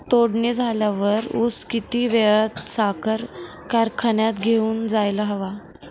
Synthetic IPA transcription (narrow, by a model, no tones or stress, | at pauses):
t̪oɽɳed͡zʱaljaʋəɾuskit̪iːʋeət̪sakəɾ | kaɾkʰanjat̪ɡʱeuːnd͡zajlaɦəʋa